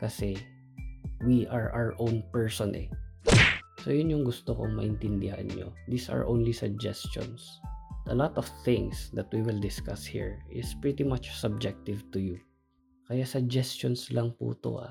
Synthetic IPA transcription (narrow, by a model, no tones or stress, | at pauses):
kɐsɛ | wiʔaɹʔawəɹʔõwnpɛɹsɔnʔɛ̰ | sojʊnjʊŋɡʊst̪oko̰ŋmɐʔɪnt̪ɪnd̪ɪha̰nɲo̰d̪isɐ̰ɹʔõwnlisɐɡ̚d͡ʒɛst͡ʃɔ̰ns | ʔɐlat̪ɔv̥θɪ̃ŋsd̪ɐt̪̚wiwɪld̪ɪskashḭɹɪspɹit̪imat͡ʃsɐb̚d͡ʒɛk̚t̪ɪvt̪ʊju | kɐjasɐɡ̚d͡ʒɛst͡ʃonslɐŋpṵːt̪o̰ʔa̰